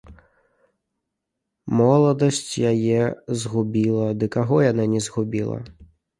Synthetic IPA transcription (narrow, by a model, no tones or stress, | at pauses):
mɔlˠɔd̪ɔsʲtʲjɐjɛzɦʊbʲilˠɐd̪ɪkɐɦɔjɐnɛnʲizɦʊbʲilˠɐ̰